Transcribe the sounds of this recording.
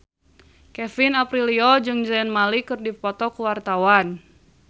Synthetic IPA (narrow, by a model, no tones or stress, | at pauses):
kɛfinapɾiliɔd͡ʒɨŋd͡ʒɛnmalikɨrdipɔt̪ɔkuwart̪awan